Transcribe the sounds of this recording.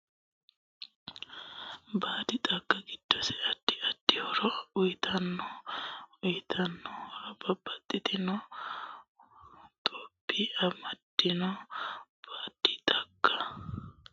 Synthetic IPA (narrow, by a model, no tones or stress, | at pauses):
baːd̪ɪt̪ʼɐɡːɐɡɪd̪̥ːɔsɛɐd̪̥ːɪɐd̪̥ːɪhɔɾɔʊjt̪ʰɐnːɔ | ʊjt̪ʰɐnːɔhɔɾɐbɐbːɐt̪ʼːɪt̪ɪnɔ | t̪ʼobːiʔɐmɐd̪̥ːɪnɔ | b̥aːd̪̥ɪt̪ʼɐɡːɐ